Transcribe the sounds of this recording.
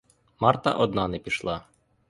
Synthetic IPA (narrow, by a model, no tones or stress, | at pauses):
mɑrt̪ɐ̰ʔɔd̪nɑnɛpʲiʃlˠɑ